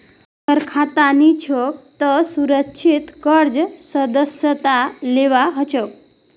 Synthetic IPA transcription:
kəɾkʰat̪anit͡ʃʰək̚t̪əsuɾəkt͡ʃʰit̪kəɾd͡zsəd̪əsjət̪aleʋaɦət͡ʃək

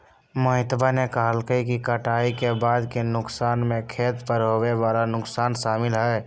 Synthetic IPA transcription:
məɦɪt̪banekaɦəlkəikikəʈaːikebaːd̪kenʊksaːnmẽkʰeːt̪pəɾɦoːweʋaːlanʊksaːnʃaːmɪlɦɛː

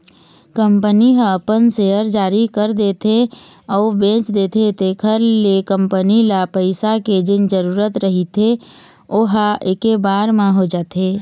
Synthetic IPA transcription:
kə̃mpəniɦə̃əpənseːəɾd͡ʒaːɾikəɾd̪eːt̪ʰeɔːbẽːt͡ʃd̪eːt̪ʰet̪ekʰəɾlekə̃mpənilapəɪsaked͡ʒɪnd͡ʒəɾuːɾət̪ɾəɦit̪ʰe | oɦaeːkebaːɾmãɦod͡ʒaːt̪eː

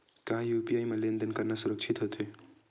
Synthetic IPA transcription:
kaɦãjupiajmalend̪ənkəɾnasuɾək̚t͡ʃʰit̪ɦot̪ʰe

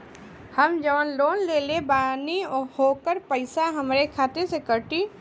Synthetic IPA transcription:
hɐmd͡ʒɐʋənloːnleːlebaːnihoːkəɾpəɪsaɦɐmɾekʰaːt̪esekəʈi

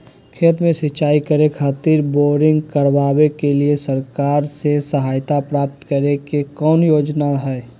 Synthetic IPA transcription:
kʰeːt̪mẽsɪt͡ʃaːikəɾekʰaːt̪iːɾboːɾɪ̃ŋɡkəɾʋaːwekeliesəɾkaːɾsesəɦaːjt̪apɾaːp̚t̪kəɾekekɔːnjoːd͡ʒnaɦɛː

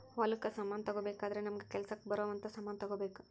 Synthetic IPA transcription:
ʋɐlukːɐsɐmːaːnt̪ɐɡobeːkaːd̪ɐɾenɐmɐɡekɛlsɐkːbɐɾoːʋɐnt̪ɐsɐmaːnt̪ɐɡoːbeːku̥

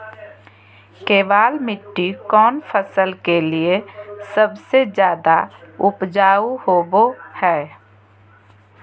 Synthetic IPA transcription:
keːbaːlmɪʈːikɔːnpʰəsəlkeliesəbsed͡ʒjaːd̪aʊpd͡ʒaːuhoːbohɛː

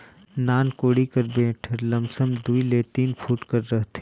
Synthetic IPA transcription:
naːnkoːɽikɐɾbeːʈʰəɾlɐmsəmd̪uileːt̪iːnfʰuːʈkɐɾːɐɦt̪ʰe

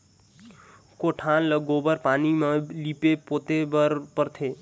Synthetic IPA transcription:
koʈʰanləɡobəɾpaːnimelipepot̪ebəɾpəɾt̪ʰe

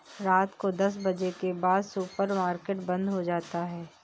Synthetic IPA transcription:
ɾaːt̪kod̪ɐs̬bɐd͡ʒekebaːd̪supəɾmaːɾkeːʈbɐ̃nd̪ɦod͡ʒaːt̪aɦɛː

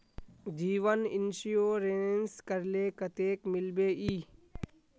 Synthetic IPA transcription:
d͡ʒiːʋənɪnʃijoːɾenskəɾleːkət̪eːkmɪlbeːʔiː

